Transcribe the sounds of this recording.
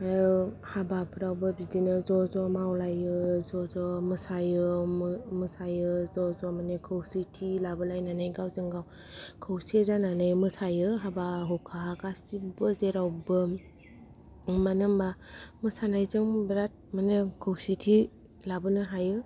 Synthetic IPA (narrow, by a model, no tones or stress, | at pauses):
ajɯ | habapʰɯɾawbɯbidinɯzɔzɔmawlajɯzɔzɔmɯsajɯmmɯsajɯzɔzɔmanekʰɯwsitʰilabɯlajnanajɡawzɯŋɡaw | kʰɯwsezananɯjmɯsʰajɯɦabaɦɔkʰaakasibɯzeɾawbɯ | manɯmbamɯsanajzɯŋbɾat̚manekʰɯwsitʰi | labɯnɯɦajɯ